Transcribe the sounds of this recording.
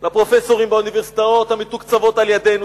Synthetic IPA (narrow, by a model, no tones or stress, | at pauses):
lapʁo̞feso̞ʁimbauniveʁsi̥t̪aot̪hamit̪ukt͡savo̞taljad̪enu